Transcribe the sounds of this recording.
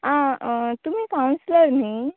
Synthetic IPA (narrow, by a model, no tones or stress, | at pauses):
ɦãt̪um̤iːkawnsləɾni